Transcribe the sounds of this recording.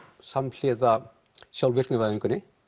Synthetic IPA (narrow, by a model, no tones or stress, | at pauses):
saml̥ɪːða | sjawlvɪr̥knɪvaiŋkʏnːɪ